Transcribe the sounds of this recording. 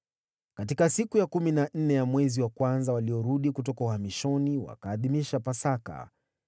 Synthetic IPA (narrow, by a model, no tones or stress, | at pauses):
katikasikujakuminan̩nɛjamwɛziwakwanzawaliɔɾuɗikutɔkauhamiʃɔniwa̰kaːðimiʃapasaka̰